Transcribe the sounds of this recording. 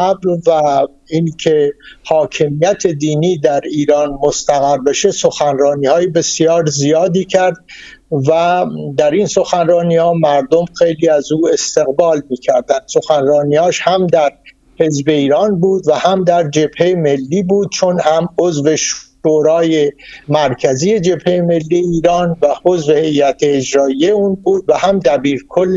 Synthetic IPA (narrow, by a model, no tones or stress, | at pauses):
æbvæ | inkʰe̞hɒːcʰe̞mijæt̪ʰe̞d̪iːniːd̪æɾiːɾɒːnmost̪æɣæɾbe̞ʃe̞so̞xænrɒːniːhɒːjebe̞sjɒːɾzijɒːd̪iːcʰæɾd̪̚ | væd̪æɾinso̞xænrɒːniːhɒːmæɾd̪o̞mxe̞jliːæzuːe̞st̪e̞ɣbɒːlmiːcʰæɾd̪ænd̪̥so̞xænrɒːniːhɒːʃhæmd̪æɾ | he̞zbe̞iːɾɒːnbuːd̪væhæmd̪æɾd͡ʒe̞b̥he̞jeme̞lːiːbuːd̪̚t͡ʃʰonhæmozve̞ʃ | oɾɒːjemæɾcʰæziːe̞d͡ʒe̞bhejeme̞lːiːjeiːɾɒːnvæho̞zvehe̞jːæt̪ʰeːd͡ʒɾɒːijeuːnbuːd̪væhæmd̪æbiːɾkʰolː